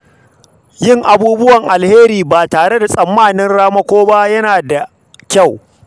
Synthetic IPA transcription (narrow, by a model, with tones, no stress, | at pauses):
jɪ˦ŋʔa˨buː˦bʊ˦wɐ˨ŋʔa˨lheː˦ɾiː˨baː˨taː˨ɽe˦da˨sʼɐ˨mːaː˦˨nɪ˦nɽaː˦mɐ˦kʷoː˦ba˦jɐ˦naː˨da˨ | kʲa˦˨w